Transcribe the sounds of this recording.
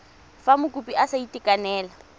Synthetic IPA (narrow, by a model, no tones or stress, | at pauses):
famʊkʼupʼiʔasaitʼikʼanɛːla